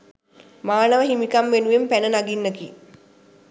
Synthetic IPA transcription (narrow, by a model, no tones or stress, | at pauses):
maːnəʋəɦimikamʋenuʋempænənaɡinːəki